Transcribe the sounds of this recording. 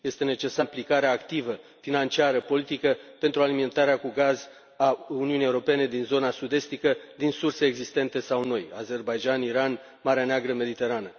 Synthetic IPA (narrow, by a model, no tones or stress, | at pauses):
je̞st̪e̞ne̞t͡ʃe̞samplikaɾeaːkt̪ivəfinant͡ʃiaɾəpo̞lit̪ikəpe̞nt̪ɾualiment̪aɾeakuɡaz | auniunijewuɾo̞pe̞ne̞d̪inzo̞nasud̪e̞st̪ikəd̪insurse̞ːɡzist̪e̞nt̪e̞sawno̞ja̰ze̞rbajd͡ʒaniɾan | maɾeaneaɡɾəme̞d̪it̪e̞ɾanə